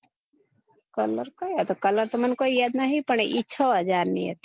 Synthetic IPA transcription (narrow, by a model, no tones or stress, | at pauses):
kələɾkajat̪ɔkələɾt̪ɔmənkoijad̪naɦipəɳ̃eʔit͡ʃʰɔɦəd͡ʒaɾnḭjə̰t̪